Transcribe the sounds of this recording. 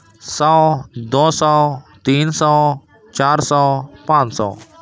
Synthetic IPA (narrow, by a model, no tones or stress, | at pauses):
sɔːd̪oːsɔːt̪iːnsɔː | t͡ʃaːɾsɔːpãːt͡ʃsɔ̰ː